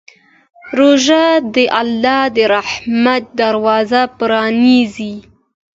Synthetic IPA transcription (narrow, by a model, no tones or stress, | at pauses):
ɾoʒad̪əʔalːɑd̪əɾahmat̪̚d̪aɾwɑzapɾɑnizi